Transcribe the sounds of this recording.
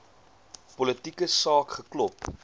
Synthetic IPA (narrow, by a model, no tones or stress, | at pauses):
pɔlətikəsɑːkχəklɔp